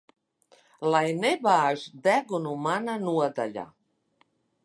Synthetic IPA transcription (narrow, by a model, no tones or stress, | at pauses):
lajnebaːʒd̪æɡunumananuɔd̪aʎa̰